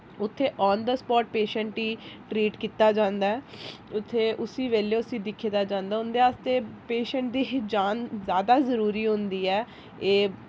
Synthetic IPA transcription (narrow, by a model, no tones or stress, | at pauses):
ʊt̪ʰːeːʔɔːnd̪əspɔːʈ̚peːʃəɳʈiːʈɾiːʈkiːt̪aːd͡ʒãːnd̪aːɛː | ʊt̪ʰːeːʔʊsiːʋeːleːʊsĩːd̪ɪkʰːiːd̪aːd͡ʒãːnd̪aːʊnd̪eːaːst̪eːpeːʃəɳʈd̪iːd͡ʒaːnzjaːd̪aːzəɾuːɾiːɦʊ̃nd̪iːɛː | eː